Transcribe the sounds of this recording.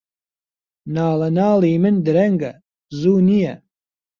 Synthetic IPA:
nɑːlɐnɑːliːmɨnd̪ɨɾɐŋɡɐ | zuːnijɐ

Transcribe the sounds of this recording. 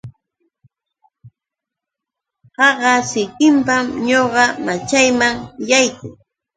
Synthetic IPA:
hɑɢɑsɪkɪmpamɲoɢɑmat͡ʃajmaŋjajkʊŋ

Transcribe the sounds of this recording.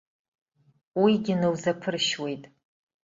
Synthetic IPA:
wiɡʲɪnɨwzapʰɨrʃwe̞jtʼ

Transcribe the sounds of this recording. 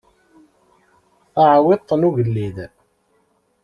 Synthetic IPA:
aʕwɪt̪ˤːnuʝəlːið

